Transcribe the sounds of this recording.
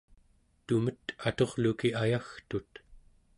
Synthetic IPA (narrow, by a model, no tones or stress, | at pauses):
t̪umət̪at̪o̞ʁlukiajaxt̪ut̪